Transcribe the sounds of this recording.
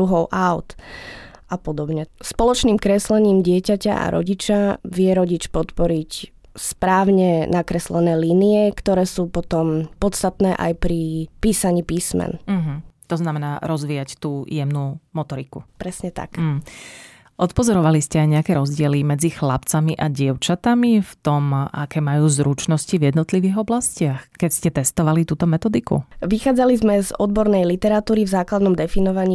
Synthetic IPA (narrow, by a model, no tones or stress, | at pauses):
uɦɔʊʔaʊt̪ | ʔapɔd̪ɔbɲɛspɔlɔt͡ʃniːmkɾɛslɛɲiːmɟɪɛcaca̰ʔa̰ɾɔ̰ɟit͡ʃaʋɪɛɾɔɟit͡ʃpɔt̪pɔɾic | spɾaːʊɲɛnakɾɛslɛnɛːliːniɛkt̪ɔɾɛːsuːpɔt̪ɔmpɔt̪st̪at̪nɛːʔa̰jpɾipiːsaɲiːpiːsmɛ̰n̩ɦ̩t̪ɔznamɛnaːɾɔzʋiːjact̪uːjɛmnuːmɔt̪ɔɾikupɾɛsɲɛt̪a̰km̩ɦ̩ | ʔɔt̪pɔzɔɾɔʋaliscɛajɲɛakɛːɾɔzɟɪɛlimɛd͡zixlapt͡samiʔaɟɪɛʊt͡ʃat̪amift̪ɔma̰kɛːmajuːzɾut͡ʃnɔscivjɛd̪nɔt̪liʋiːɣɔblascɪaxkɛcscɛt̪ɛst̪ɔʋalit̪uːt̪ɔmɛt̪ɔd̪ikṵʋixaːd͡zalizmɛzɔd̪bɔɾnɛjlit̪ɛɾat̪uːɾivzaːklad̪nɔmd̪ɛfinɔʋaɲiː